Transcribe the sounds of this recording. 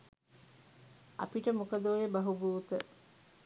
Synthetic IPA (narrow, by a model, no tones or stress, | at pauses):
ɐ̰piʈəmukɐd̪oːjebɐɦubuːt̪ə